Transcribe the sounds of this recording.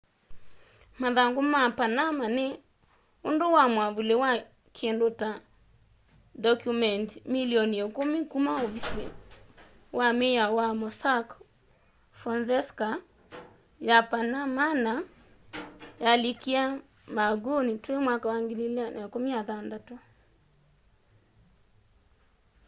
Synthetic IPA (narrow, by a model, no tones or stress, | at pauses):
maðaŋɡomapanamane | ondowamwaβulewa | kʰɛndota | dɔkjumɛntmiliɔnɛkomikumaovisḛ | wʔamejawamɔsak | fɾɔnsɛska | japanamana | jalikia | maɡonitwemwakawaŋɡililanakomiaðandato